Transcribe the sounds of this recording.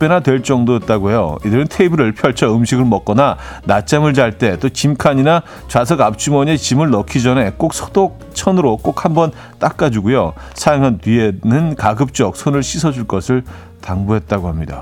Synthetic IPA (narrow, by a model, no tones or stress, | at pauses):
p͈enatwe̞ɭt͡ɕ͈ʌŋdoit̚t͈aɡojo̰idɯɾɯntʰeibiɾɯɭpʰjʌɭt͡ɕʰʌɯmɕʰiɡɯɭmʌk͈ʌnanat͡ɕ͈amɯɭd͡ʑaɭt͈e̞t͈okimkʰaɲina | t͡ɕwas̬ʰʌɡap̚t͡ɕʰumʌɲet͡ɕimɯɭnʌkʰid͡ʑʌne̞k͈ok̚sʰo̥dok̚t͡ɕʰʌnɯɾok͈ok̚hambʌn | t͈ak̚k͈ad͡ʑuɡojo | sʰajaŋɦantɥienɯnkaɡɯp̚t͡ɕ͈ʌk̚sʰonɯɭɕʰisʰʌd͡ʑuɭk͈ʌsʰɯɭ | taŋbuɦe̞t̚t͈aɡoɦamɲida̰